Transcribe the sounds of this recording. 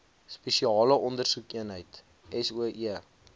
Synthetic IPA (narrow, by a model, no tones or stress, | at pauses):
spɛʃiɑːləʔɔndərsukiənɦəjt | ʔɛsuəʔiə